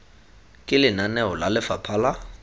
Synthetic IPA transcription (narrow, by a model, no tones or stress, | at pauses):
kʼɪlɪnanɛɔlalɪfapʰala